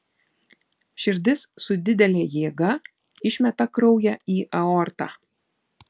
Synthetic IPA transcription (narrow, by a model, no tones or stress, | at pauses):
ʃʲɪɾʲd̪ʲɪssʊd̪ʲɪd̪ʲɛlʲeːjeːɡɐ | ɪʃʲmʲɛt̪ɐkɾɒʊjɛiːʔɐɔɾt̪ɑ̰ː